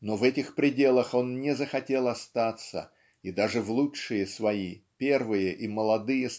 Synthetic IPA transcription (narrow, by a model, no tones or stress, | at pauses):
no̞vɛtʲɪxpɾʲɪdʲe̞lˠəxo̞nnʲɪzəxɐtʲe̞lˠɐst̪at̪sə̰ | id̪aʐɨvlˠuʂɨjəsvɐipʲe̞rvɨjəʔiməlˠɐd̪ɨjəs